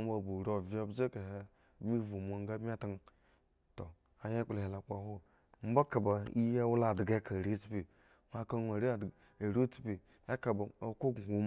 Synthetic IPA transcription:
m˦ba˨bu˨ɾo˨vi˦a˦bd͡ʒe˦ka˨ɦe˦˨˦ | mi˦vu˨mʷ˨a˨ŋ˦ɡa˦bmʲ˦a˦ta˦ŋ˦ | to˨ | a˨je˦k͡ple˨he˨la˨k͡pa˨ho˦ | m̩˦ba˦ka˨ba˨i˦ja˦wu˦la˦˨dɡa˦ka˨ɾi˦spi˨ | ma˦ka˦nʷa˨ɾi˦˨ | a˨ɾo˦t͡si̥˦pi˨ | a˦ka˨ba˨o˦ko˦ɡhu˨m

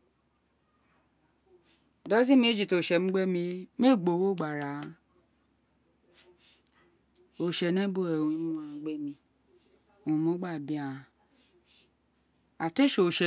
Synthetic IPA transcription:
dɔ˦zi˦mĩ˧˦d͡ʒi˨to˨ʃɛ˨m̩̃˦ɡ͡bɛ˦mĩ˧˦me˦˨ɡ͡bo˨wo˦˨ɡ͡ba˨ɾa˨˧˦ | o˨ʃɛ˨nɛ̃˦bo˧˦ɛ˨wũ˨˧i˦mũ˦ã˧˦ɡ͡bɛ˦mĩ˧ | o˨ũ˧mõ˦ɡ͡ba˦˨bi˦ã˨ | a˨te˦ʃo˨ʃɛ˨

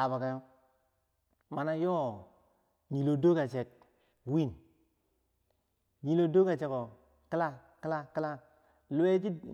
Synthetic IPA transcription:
a˨ba˨ka˨jo˦ | ma˨na˦jo˦ | ɲi˨lo˨do˦ka˨t͡ʃe˨k̚ | wi˦˨n | ɲi˨lo˨do˦ka˨t͡ʃe˨˦ko˨ | ki˦la˦ | ki˦la˦ki˦la˦ | lu˦we˦t͡ʃi˦

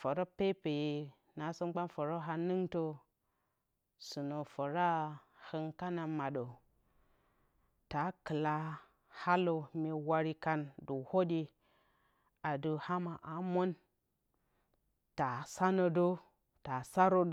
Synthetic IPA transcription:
fo˨ɾo˦pe˦pe˨je˨ | na˨˦su˦mɡ͡ba˦nfo˨ɾo˦ɦa˧nɨ˦ŋto˦ | su˨no˨fo˨ɾa˦ | hə˦ŋka˦na˨ma˨ɗo˨ | ta˨˦kɨ˨la˦ | ha˦lo˨mʲe˨wa˦ɾi˦ka˦ndu˨ho˦di˦ | a˨du˨ha˦ma˨ʔa˨mo˦n | ta˨sa˦no˨do˦ | ta˨sa˦ɾo˦

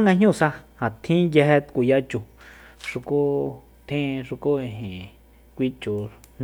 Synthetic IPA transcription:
a˦ŋɡa˧ɲ̥ũ˦˨sa˧hã˨t̪ʰĩ˦je˧he˧t̪ku˧˨ja˧t͡ʃu˧˨ʂu˧ku˦ | t̪ʰĩ˦˧ʂu˧ko˦e˧˨ɦẽ˨ | kʷi˦t͡ʃu˨ | n

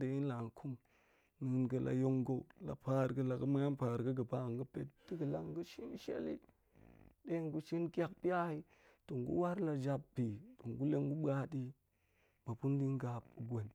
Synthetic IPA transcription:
de˨i˦nla˨ŋ˨kʰu˦m | nu˨˦nɡə˨lʔa̰˨jo˦ŋɡo˦u˨la̰˨pa˦˨ɾɡə˦la˨ɡə˦ma˦ja˦npa˨ɾɡə˦ɡə˨pa˦˨ŋɡə˦pe˦t̚di˦ɡə˨la̰˦ŋ˦ɡə˦ʃi˦n˦ʃḛ˦lḭ˦ | ɗe˦ŋ˨ɡu˦ʃi˦nkʲa˦k̚pi˦a˦hi˦ | to˨ŋɡṵ˦wa˦ɾla˨d͡ʒa˦pbi˨to˨ŋɡu˦le˦ŋ˦ɡu˦ɓa˦di˦ | ma˨pu˦n˦di˦ŋ˦ɡa˨pu˨ɡʷo˨n

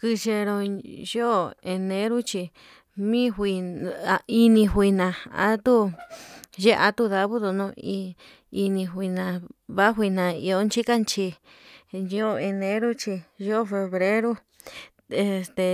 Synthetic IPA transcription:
kɨ˧ʃe˧ɾo˧ʒo˦˨e˧nẽ˧˦ɾu˦t͡ʃi˧ | mĩ˦ɦʷi˧˨ | i˧nĩ˧ɦʷi˧nã˧˨a̰˦t̪u˦ | ʒe˦ʔa˧t̪u˦ða˧βu˦ðo˧nõ˧i˧ | i˧nĩ˧ɦʷi˧nã˨βa˦ɦʷi˧nã˨ḭ˧o˧˦nt͡ʃi˦ka˦nt͡ʃi˧ | jo˦˧e˧nẽ˦ɾu˦t͡ʃi˧ʒo˦˨fe˧βɾe˦ɾu˦ | e˧st̪e˧

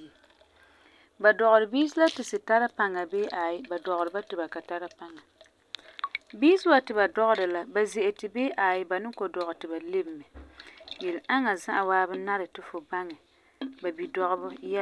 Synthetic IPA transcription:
ba˨dɔ˨ɣʊ˨ɾɨ˨biː˦s̬ɪ˦la˦tɪ˨sɨ˨ta˦ɾa˦pa˨ŋa˨beː˦ʔa˨jɪ˦ba˨dɔ˨ɣʊ˨ɾɨ˨˦ba˦tɪ˨ba˨ka˨ta˦ɾa˦pa˦ŋa˨ | biː˦sɪ˦wa˨tɪ˨ba˨dɔ˦ɣʊ˦ɾɨ˨la˦ba˨zɛ˨ʔɛ˨tɪ˨beː˦ʔaː˨jɪ˦ba˨nɨ˦ŋko˨dɔ˨ɣɨ˨tɪ˨ba˨le˦bmɛ˨jɛ˨lɪ˨ʔa˦ŋa˨za˦ʔa˨waː˦bɨ˦na˦ɾɨ˨tɪ˨fʊ˨ba˦ŋɛ˨ | ba˨bi˨dɔ˦ɣʊ˦bʊ˦jɛ˦˨

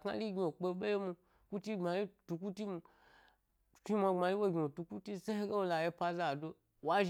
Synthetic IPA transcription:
ka̰˧li˦ɡʲi˧˨o˨k͡pe˧˦ɓe˦je˦mu˧ | ku˦ti˦ŋ͡ma˨ji˦tu˧ku˦ti˦mu˧˨ | t͡ʃi˦ma˧ŋ͡ma˧ji˦wo˦ɡʲi˨o˨tu˧ku˦ti˦se˦he˦ɡe˦wo˧la˧je˧pa˧za˨do˧ | wa˦ʒ

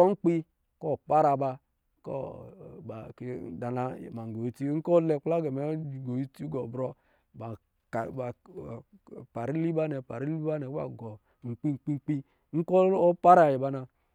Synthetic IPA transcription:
ɔ˦ŋ͡m̩˦k͡pi˦ | ko˦˨pa˦ɾa˧˨ba˧˦ | kɔ̰˦a˨ke˨da˨na˨ma˨ŋ˨ɡo˨i˨˦ti˦ŋ̩˦kɔ˦le˨k͡pa˦ɡe˨me˨˦˨ɡo˨i˦ti˦ɡo˨bɾɔ˦ | ba˨ | ka˨ba˨ | pa˨ɾi˦li˦ba˦nɛ˨pa˨ɾi˦li˦ba˦nɛ˨kba̰˨ɡɔ˨ | ŋ͡m̩˨k͡pi˦ŋ͡mk͡pi˦ŋ͡mk͡pi˦ | ŋ̩˦ko˦o˦pa˦ɾa˨ji˨ba˦na˧

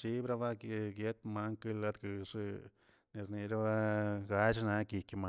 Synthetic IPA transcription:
t͡ʃi˦bɾa˦ba˦˧ɡje˦t̪ma˦ŋkɨ˦la˦d̪ɡɨ˨ʂ | ne˨ɾni˨ɾa˦ba˦ɡa˦t͡ʃna˧˦ki˨kʲma˧

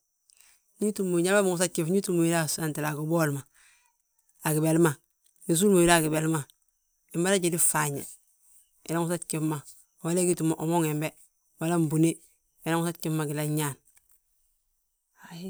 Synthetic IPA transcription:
ni˦tu˦mːo˨ɲa˦ba˦mi˨ŋu˨s̬a˦t̚ki˨fɲi˦tu˦mo˨i˦ɾa˦sa˨nti˨la˨ɡo˨bo˦lma˨ | a˨ɡi˨be˨lma˨ | ni˨s̬u˦lmo˨ji˦ɾa˦˨ɡi˨be˨lma˨ | i˨ma˦ɾa˦ɟi˨di˦fa˨ɲḛ˨ | i˨la˦ŋu˦sa˦tki˦fma˨ | wa˦le˦ɡi˦tu˨mo˨ʔo˨mo˦ŋe˨mbe˦ | wa˨la˦m˨bu˨ne˦ | i˨la˦ŋu˦sa˦t̚ki˦fma˨ɡi˨la˦ɲa˦˨n | a

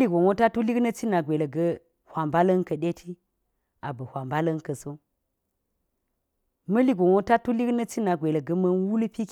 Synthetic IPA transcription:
li˦ɡo˨ŋo˦ta˦tu˦li˦knə˦t͡ʃi˦na˨ɡʷe˨lə˨ɡɐ˦ | hʷa˨mba˦lɐ˦nkə˨ɗe˦tʰi˦ | a˨bɐ˨hʷwʷa˨mba˦lɐ˦nkə˨so˦ | mɐ˦li˦ɡʷo˨ŋo˦ta˦tu˦li˦knə˦t͡ʃi˦na˨ɡʷe˨lə˨ɡɐ˦mɐ˦nwu˦lpi˦k

